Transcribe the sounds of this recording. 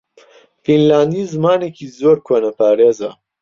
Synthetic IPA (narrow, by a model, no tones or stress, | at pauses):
finlaːnd̪izmɑːnekʰizoːɾkʰwɐnɐpaːɾeːza̰